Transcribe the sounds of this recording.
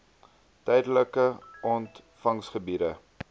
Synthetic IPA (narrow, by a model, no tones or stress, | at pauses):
tɛjdələkəɔntfɐŋsχəbiɾə